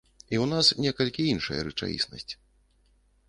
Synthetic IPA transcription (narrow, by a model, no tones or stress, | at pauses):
iwnasnʲɛkɐlʲkʲiinʂɐ̰jɐ̰ɾɨt͡ʂa̰jʲḭsnɐ̰sʲt͡sʲ